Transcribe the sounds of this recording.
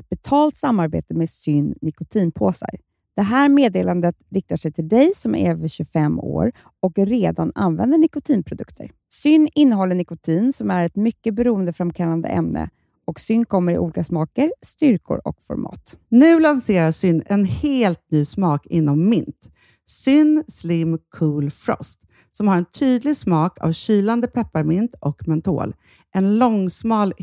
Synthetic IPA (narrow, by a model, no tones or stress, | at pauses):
ɛt̪̚b̥ɛt̪ʰɑːlt̪samːaɾbḛːt̪əmesʏnːnɪkʊt̪ʰiːnpʰoːsa̰ɾ | d̪̥ɛɦæːɾmeːd̪eːland̪ət̪ɾɪk̚t̪aʂɛjt̪ʰɪld̪ɛjsɔmɛvəɕɵfɛmːo̰ːɾ | ɔkɾeːd̪ana̰nvɛ̰nd̪əɳɪkʊt̪ʰiːnpʰɾʊd̪ɵkt̪ʰə̰ɾ | sʏnːɪnːəɦɔlːəɳɪkʊt̪ʰiːnsɔmæɾɛt̪mʏkːəbɛɾuːənd̪əfɾamkʰalːand̪ə̰ʔɛ̰mnə̰ | ʔɔksʏnːkʰɔmːəɾɪ̰ʔṵːliːkasmɑːkəɾst̪ʏɾkʰʊ̰ɾɔ̰kfɔ̰ɾmʔɑ̰ːt̪nʉ̟ːlanseːɾasʏnːɛnheːlt̪̚nyːsmɑːkɪnːɔmːɪnt̪ | sʏnːslɪmkʰuːlfɾɔ̰st̪ | sɔmhaɾɛnt̪ʰyːd̪lɪɡsmɑːkʰa̰vɕyːland̪əpʰɛpːaɾmɪnt̪ʔɔkmɛnt̪ʰo̰ːl | ʔɛnlɔŋsmɑːl